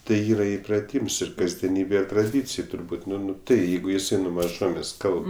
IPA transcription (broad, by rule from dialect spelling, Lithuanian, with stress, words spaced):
tɐɪ ˈiːrɐ ɪprɐˈtʲiːms ɪr kɐzʲdʲiɛˈnʲiːbʲɛ trɐˈdʲiːt͡sʲeːj tʊrˈbuːtʲ nʊ nʊ tɐɪ ˈjɛɪɡʊ jɪˈsɐɪ nʊ mɐˈʒoːmʲeːsʲ ˈkɐlˠp